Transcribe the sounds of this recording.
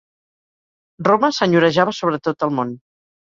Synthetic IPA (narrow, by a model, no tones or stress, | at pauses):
rroməsəɲuɾəʒaβəsoβ̞ɾət̪ot̪əlˠmon